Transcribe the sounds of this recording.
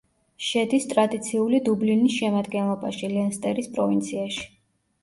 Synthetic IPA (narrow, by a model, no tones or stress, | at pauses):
ʃɛd̪ist̪ʼɾad̪it̪sʰiulid̪ublinisʃɛmad̪ɡɛnlˠɔbaʃilɛnst̪ʼɛɾispʼɾɔvint̪sʰiaʃi̥